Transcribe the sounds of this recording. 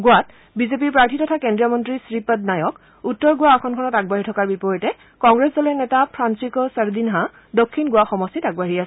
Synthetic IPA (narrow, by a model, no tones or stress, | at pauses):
ɡʊat | bizep̬iɹpɹaɹtʰitɔtʰakendɹijɔmɔntɹisɹipət̚najɔk | utːɔɹɡʊwaɔkʰɔnkʰɔnɔtaɡ̚baɦitʰɔkaɹbipɔɹitɛ | kɔŋɡɹesdɔlɛnɛtapʰɹansikɔsəɹdinɦa | dokʰːinɡʊaxɔmɔstitaɡbaɦiasɛ